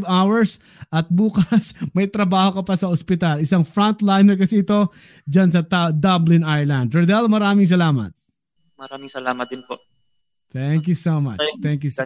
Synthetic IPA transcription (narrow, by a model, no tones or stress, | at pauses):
vawɛɹs | ʔɐt̪̚buːkɐsmɐjt̪ɾɐbaːho̞kɐpɐsɐospɪt̪alɪsaŋfɾont̪lajnɛɹkɐsɛɪt̪o̞d͡ʒɐns̬ɐt̪d̪ɐblɪ̃najɹlɐ̃nd̪ɾɐd̪ɛlmɐɾaːmɪŋs̬ɐlaːmɐ̰t̪̚ | mɐɾaːmɪŋsɐlaːmɐt̪̚d̪ɪnpo | t̪ɛŋk̬jusoma̰t̪ɛŋkju